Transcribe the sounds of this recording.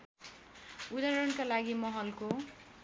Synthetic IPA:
ud̪aɾʌnkalaɡimʌɦʌlko

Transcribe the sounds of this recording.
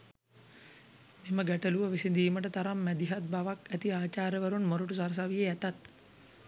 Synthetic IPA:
miməɡæʈəluʋəʋisind̪iːməʈət̪aɾamːæd̪iɦat̪̚baʋakæt̪iaːt͡ʃaːɾjəʋəɾunmoɾuʈus̬aɾs̬aʋijeæt̪at̪

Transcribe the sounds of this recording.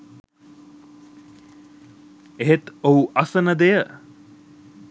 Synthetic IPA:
eɦet̪ouʔɐsənəd̪ejə

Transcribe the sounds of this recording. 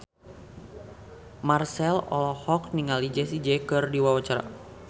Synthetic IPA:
marsɛlɔ̰lɔhɔkniŋalid͡ʒɛsid͡ʒɛkɨrdiwawat͡ʃaɾa̰

